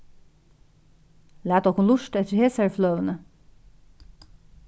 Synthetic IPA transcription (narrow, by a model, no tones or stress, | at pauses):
læːt̪ɔkʰunluʃt̪ɛt̪əheːsæɹflœːʋənə